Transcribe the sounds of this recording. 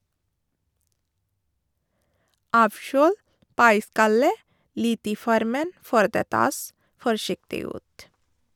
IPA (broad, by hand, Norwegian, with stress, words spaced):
ˈɑːʋˌʃøːl ˈpɑɪˌskɑlə ˈlɪt ˈiː ˈfɔɾmən ˈføːɾ ˈdeː ˈtɑːs fɔɾˈʃɪktɪ ˈʉːt